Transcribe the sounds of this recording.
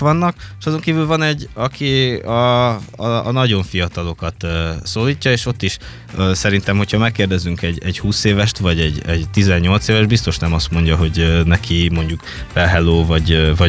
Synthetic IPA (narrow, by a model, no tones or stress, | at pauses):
ʋɒnːɒkʃɒzoŋkiːvylvɒnɛɟːɒkʰiɒ̰ː | nɒɟo̞ɱfijɒt̪ɒlo̞kɒt̪ːsoːliːcːɒeːʃo̞t̪ːiʃ | øːsɛɾint̪ɛmho̞chɒmɛkːeːrd̪ɛzyŋkɛɟɛɟhuːseːvɛʃt̪vɒɟɛɟɛɟt̪izɛɲːo̞lt̪seːvɛʒd̪̚bist̪o̞ʃnɛmɒst̪mo̞ɲɟɒɦo̞ɟønɛkʰimo̞ɲɟuk | fɛlɦɛloːvɒɟvɒ